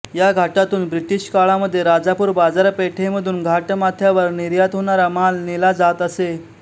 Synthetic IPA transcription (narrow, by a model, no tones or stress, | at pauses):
jaɡʱaʈat̪uːnbɾiʈiɕkaɭaməd̪ʱːjeɾad͡zapuːɾbad͡zaɾpeʈʰeməd̪ʱuːnɡʱaʈmat̪ʰjaʋəɾniɾjat̪ɦoɽ̃aɾamalnilad͡zat̪əse